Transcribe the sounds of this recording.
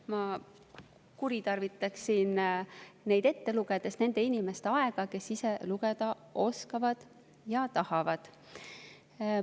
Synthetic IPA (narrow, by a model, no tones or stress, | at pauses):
mɑ | kuɾit̪ɑrvit̪ːˑɑksinne̞jd̪̥e̞t̪ːe̞luɡed̪̥e̞st̪ne̞nd̪̥e̞inʲime̞st̪eɑeɡ̥ɑke̞sise̞luɡ̥ed̪̥ɑ | ʔo̞skɑvɑd̪̥ | jɑt̪ɑhɑvɑd̪̥